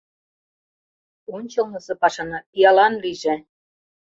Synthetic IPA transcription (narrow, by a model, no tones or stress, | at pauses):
onʲt͡ɕɤ̆lnɤ̆sɤ̆pɑʃɑnɑjɑlɑnliʒĕ